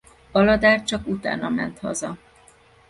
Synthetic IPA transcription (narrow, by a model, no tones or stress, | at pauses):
ɒlɒd̪aːrt͡ʃɒkut̪a̰ːnɒmɛnt̪hɒ̰zɒ